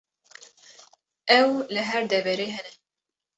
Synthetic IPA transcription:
ʔɛwlɨɦɛɾd̪ɛvɛɾeːɦɛnɛ

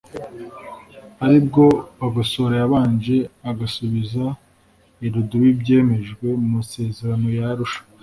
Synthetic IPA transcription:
aɾibɡo̞βaɡaso̞ɾajaβaːnd͡ʒe̞aɡasuβiza | iɾuduwibɟe̞ːme̞ʒɡwe̞mumase̞ːze̞ɾano̞jaɾuʃḁ

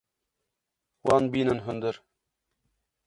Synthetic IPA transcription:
wɑnbinɤ̆nɦɵ̆nd̪ɤ̆ɾ

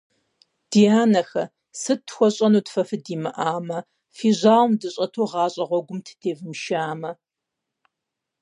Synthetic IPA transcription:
d̥ijaːnɐxɐ | sɨtxʷɔɕʼɐnuːtfɐfɨdiːmɨʔaːmɐ | fiːʑaːwmdɨɕʼɐtʰoːʁɑːɕʼɐʁʷɔɡʷʊmtʰdʰeːvmʃaːmɐ

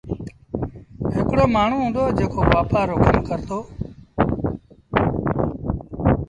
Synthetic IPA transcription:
ɦɪkɽoːmaːɳ̤ũːɦũːnd̪oːd͡ʒeːkʰoːʋaːpaːɾoːkəmkəɾt̪oː

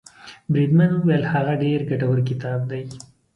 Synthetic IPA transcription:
bɾid̪manuwalhaɣaɖeɾɡaʈawəɾk̬ɪt̪ɑːb̚d̪aj

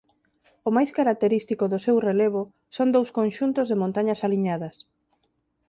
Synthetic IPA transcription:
ʊmajskaɾak̚t̪eɾist̪ikʊðʊsewreleβ̞ʊ | sond̪owskõnʃunt̪ʊzðemõnt̪aɲasaliɲaðɐs

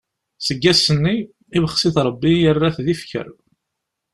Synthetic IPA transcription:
səɡːæsənːi | ivəχsɪθɾˤəbːijərːaθðifçə̰ɾ

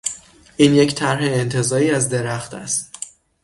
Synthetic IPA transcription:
ʔiːnje̞cʰt̪ʰæɾɦe̞ːnt̪ʰe̞zɒːɾiːæzd̪e̞ɾæxt̪ʰæ̰st̪

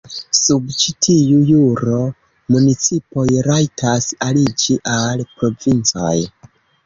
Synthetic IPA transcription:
subt͡ʃitʰijujuɾo̞ | munit͡sipo̞jɾajtʰasalid͡ʒiʔalpɾo̞vint͡sa̰j

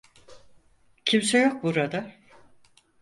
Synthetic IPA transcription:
cʰimsɛjo̞k̚buɾad̪a

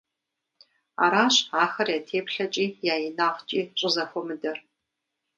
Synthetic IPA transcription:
a̰ːɾaːɕaːxɐrjaːtʰeːpɬɐt͡ʃʼiːjaːjɪnaːʁt͡ʃʼiːɕʼɪzɐxʷɔmɨdɐr

